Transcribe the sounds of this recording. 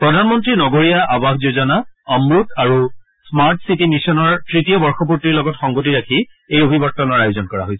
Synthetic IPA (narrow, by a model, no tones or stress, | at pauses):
pɹɔdʱanmɔntɹinɔɡoɹijaʔabaxzozɔnaɔmɹutaɹu | smaɹtsitimisɔnɔɹtɹitiɔbɔɹxɔp̬utːiɹlɔɡɔtxɔŋɡotiɹakʰiejobʱibɔt̚tɔnɔɹajuzɔnkɔɹa̰ɦojsɛ